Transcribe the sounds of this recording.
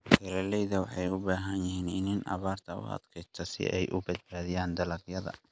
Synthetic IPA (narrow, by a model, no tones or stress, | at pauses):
hɛlɐlɛjðɐwɑħɑjʊbaːɦɐnjɪɦiːnɪnɪnʔɑ̰βaːrt̪ʰɐʊ̰hɐ̰d̪kʰɛt̪ʰɐsɪ̰ʔɛjʔʊbɐd̪̚baːðijaːnd̪ɐlɐqjɐðɐ̰